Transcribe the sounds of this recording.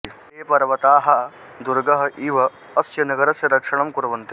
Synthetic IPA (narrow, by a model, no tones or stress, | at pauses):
eːpɐɾʋɐt̪aːɦɐ | d̪uɾɡɐɦɐ̆ʔiːʋɐː | sjɐnɐɡɐɾɐsjɐɾɐkʂɐɳɐmkuɾɐʋɐnt̪i